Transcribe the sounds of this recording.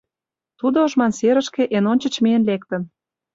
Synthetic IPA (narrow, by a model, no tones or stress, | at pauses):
t̪ud̪ooʒmɑnseɾə̆ʃkeʔenonʲt͡ɕə̆t͡ɕmeenlek̚t̪ə̆n